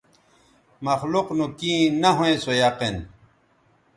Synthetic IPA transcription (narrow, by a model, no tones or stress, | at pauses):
mɐxluqnũkĩːnɐɦõẽsojaqen